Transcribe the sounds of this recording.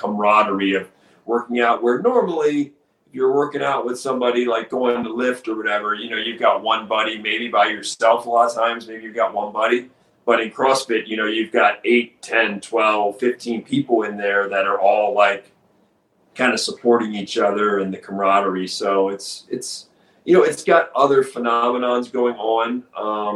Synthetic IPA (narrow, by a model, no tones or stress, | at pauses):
kʰəmɹɑɾə˞iʌv | wɜ˞kɪ̃ŋaʊʔ̚wə˞nɔɹml̩ˠi | ɨfjə˞wɜ˞kɪ̃ŋaʊʔ̚wəð̥sʌ̃mbɑɾilaɪk̚ɡ̥oʊɪ̃ŋtʰəlɪftə˞wʌɾɛvə˞jɨnoʊjʉvɡɑt̚wʌ̃nbʌɾimeɪbibaɪjə˞sɛlˠflɔtʰãɪ̃mzmeɪbijʉvɡɑʔ̚wʌ̃nbʌɾi | b̥ʌɾɨ̃nkʰɹ̥ɔspɨʔ̚jɨñoʊjʉvɡɑɾeɪtʰɛ̃ntʰw̥ɛlˠv̥fɪftʰĩnpʰipl̩ˠɪ̃nðə˞ðɨɾə˞ʔɔlˠlaɪkʰ | ãɪ̃ndɨsəpʰɔɹɾɪ̃ŋit͡ʃʌðə˞ɨ̃nðɨkʰəmɹɑɾə˞isoʊɪtsɨts | jɨnoʊɨtsɡ̥ɑɾʌðə˞fənɑmənɑ̃nzɡoʊɪ̃ŋə̃nʌ̃m